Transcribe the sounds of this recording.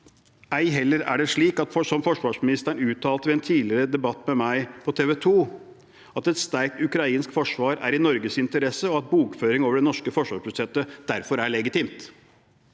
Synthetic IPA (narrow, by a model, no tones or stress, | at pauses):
æɪɦɛlːəɾæ̰ɖɛʂɭiːkɑt̪fɔsɔmfɔʂʋɑːʂmɪnɪst̪æɳʉːt̪ʰːɑːlt̪əʋɛɛnt̪ʰiːlɪɾəd̪ɛbɑt̪ːmɛmæɪpʰɔt̪ʰeːʋɛt̪ʰuː | ɑt̪ɛt̪st̪æɾk̚t̪ʉkɾɑiːnskfɔʂʋɑːɾæ̰ɾɪnɔɾɡəsɪnt̪əɾɛsəɔɑt̪̚buːkføːɾɪŋoːʋəɖɛnɔʂkəfɔʂʋɑːʂpʰɾʊsɛt̪ːəd̪̥æɾfɔɾæɭɛɡɪt̪ɪmt̪